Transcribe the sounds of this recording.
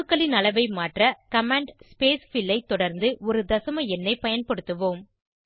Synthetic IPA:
ɯkːɐɭɪnɐlɐʋɐɪmaːʈrɐkɐmaːɳɖspeːsfɪlːɐɪt̪ːɔɽɐɾnd̪ɯʔɔɾɯd̪ɐsɐmɐɛnːɐɪpɐjɐnpɐɽɯt̪ːɯʋoːm

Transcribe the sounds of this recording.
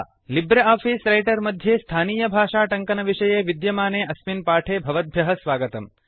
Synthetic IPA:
libɾeaːpʰiːsɾɐjʈɐɾmɐd̪ʱjeːst̪ʰaːniːjɐbʱaːʂaːʈɐŋkɐnɐʋiʂɐjeːʋid̪jɐmaːneːʔɐsminpaːʈʰeːbʱɐʋɐd̪̚bʱjɐɦɐsʋaːɡɐt̪ɐm

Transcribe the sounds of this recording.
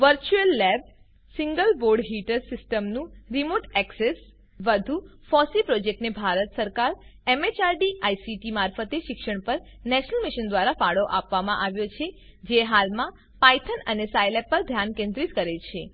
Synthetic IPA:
ʋəɾt͡ʃuelːɛb̚ | siŋɡəlboɾɖɦiʈəɾsɪsʈəmnũɾimoʈɛkses | ʋəd̪ʱufɔsipɾɔd͡ʒek̚ʈnebʱaɾət̪səɾkaɾemet͡ʃaɾɖiajsiʈimaɾfət̪eʃɪkʃəɽ̃pəɾ | nɛʃənəlmiʃənd̪ʋaɾafaɽoʔapʋamãʔaʋjot͡ʃʰe | d͡ʒeɦalmã | pajt̪ʰənənesajlɛpːəɾd̪ʱjankẽnd̪ɾit̪kəɾelt͡ʃʰe

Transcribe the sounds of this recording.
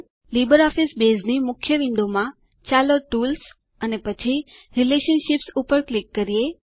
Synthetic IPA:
libəɾɔfisbeznimʊkʰjəʋɪ̃nd̪omã | t͡ʃaloʈuls | ənepət͡ʃʰi | ɾileʃənʃipsupəɾklikːəɾie

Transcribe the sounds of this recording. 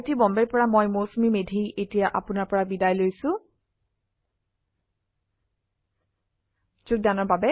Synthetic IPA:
tibɔmbɛɹpɔɹamojmosumimedʱiʔetijaʔapʊnaɹpɔɹabidajlojsʊ̃ | zuk̚danɔɹbabɛ

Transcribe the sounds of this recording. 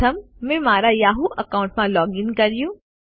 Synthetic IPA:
ɐmːẽmaːɾajaːɦuʔɐkaːʊɳʈmãlɔːɡɪŋkɐɾijũː

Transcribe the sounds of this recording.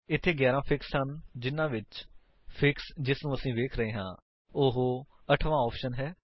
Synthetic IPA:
ɪt̪ʰːeːɡɛːɾãːpʰɪkshənd͡ʒɪnːãːʋɪt͡ʃ | pʰɪksd͡ʒɪsnũːəsĩːʋeːkʰɾəɦeːɦã̰ː | ʊɦo | əʈʰʋãːɔːpʃənɦɛː

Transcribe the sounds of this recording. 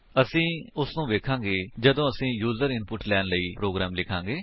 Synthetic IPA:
əsĩːʊsnũːʋeːkʰãːɡeːd͡ʒəd̪õːəsĩːjuːzəɾɪnpʊʈlɛːnləiːpɾoːɡɾaːmlɪkʰãːŋɡeː

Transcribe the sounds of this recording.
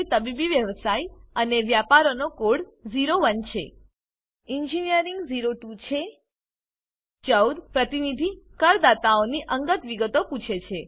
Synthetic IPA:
it̪əbibiʋjəʋsajəneʋjapaɾonokoɽd͡ʒiɾoʋənt͡ʃʰḛ | ind͡ʒinijəɾiŋɡziɾoʈut͡ʃʰe | t͡ʃəwd̪pɾət̪inid̪ʱikəɾd̪at̪aoniʔəŋɡət̪ʋiɡət̪oput͡ʃʰet͡ʃʰe

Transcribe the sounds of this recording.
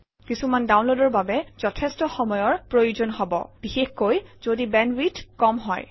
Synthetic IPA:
kisumandawnlodɔɹbabɛz̥ɔtʰestɔxɔmɔjɔɹpɹojuzɔnɦɔbɔ̰b̥ixexkojz̥odibɛnwitkɔmɦɔ̰j

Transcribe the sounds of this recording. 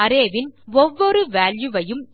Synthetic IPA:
ɐɾeːʋɪnɔʋːɔɾɯʋaːljɯʋɐjɯm

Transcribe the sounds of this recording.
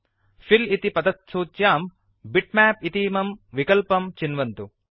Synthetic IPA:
filit̪ipɐd̪ɐt̪̚suːt̪jaːm | biʈ̚mæːpit̪iːmɐmʋikɐlpɐmt͡ʃinʋɐnt̪u

